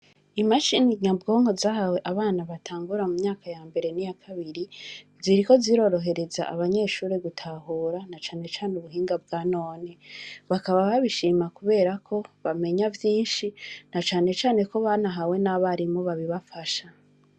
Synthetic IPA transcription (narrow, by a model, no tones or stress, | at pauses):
imaʃiniɲabɡo̞ːŋho̞zaɦaweʔaβaːnaβatʰaːŋɡuɾamumɲaːkajaːmbe̞ɾe̞nijakʰaβiɾi | ziɾiko̞ziɾo̞ːɾo̞ɦe̞ɾe̞za̰ʔaβaɲe̞ːʃuːɾeɡutʰaɦuːɾanat͡ʃaːne̞t͡ʃaːnuβuɦiːŋɡabɡaːno̞ːneβakaβaβaβiʃiːmakuβe̞ːɾakʰo̞βame̞ɲavjiːnʃinat͡ʃaːne̞t͡ʃaːne̞koβanaɦawe̞naβaɾimoβaβiβafaʃa